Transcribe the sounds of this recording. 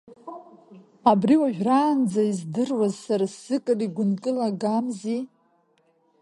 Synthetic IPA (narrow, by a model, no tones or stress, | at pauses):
abriwaʒᶣraːnd͡zaizdɨrwazsaɾasːɨkʼɨriɡʷʊnkʼɨlaɡamzi